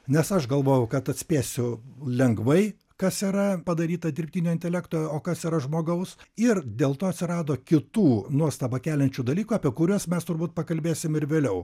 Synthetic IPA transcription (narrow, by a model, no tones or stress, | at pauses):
nʲɛsɐʃɡɐlˠʋoːjɛʊkɐt̪ɐt̪ʲsʲpʲeːsʲʊlʲɛŋɡʋɐɪ | kɐsiːɾɐpɐd̪ɐɾʲiːt̪ɐd̪ʲɪrʲpʲt̪ʲinʲoːɪnʲt̪ʲɛlʲæːkt̪oːjoːkɐsiːɾɐʒmoːɡɐʊsɪrd̪ʲeːlˠt̪oːɐt̪sʲɪɾɑːd̪oːkʲɪt̪uːnuɔst̪ɐbɐkʲæːlʲɛnʲt͡ʃʲud̪ɐlʲiːkuɑːpʲiɛkʊɾʲuɔsmʲɛst̪ʊɾbuːt̪̚pɐkɐlʲbʲeːsʲɪmɪɾʋʲeːlʲɛʊ